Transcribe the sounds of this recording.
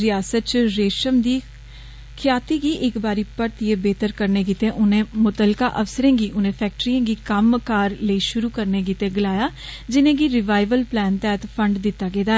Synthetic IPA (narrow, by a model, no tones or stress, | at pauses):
ɾɪjaːsət̪̚t͡ʃɾeːʃəmd̪iː | kʰɪjaːt̪iːɡiːʔɪkbaːɾiːpəɾt̪ieːbeːt̪əɾkəɾneːɡit̪ẽːʔʊnẽːmʊt̪əlkaːʔəʋsəɾẽːɡiːʔʊnẽːpʰɛːk̚ʈɾijãːɡiːkəmkaːɾləiːʃʊɾuːkəɾneːɡiːt̪ẽːɡɪlaːjaː | d͡ʒɪnẽːɡiːɾɪʋaːɪʋəlplɛːnt̪ɛːt̪pʰəɳɖd̪ɪt̪ːaːɡeːd̪aː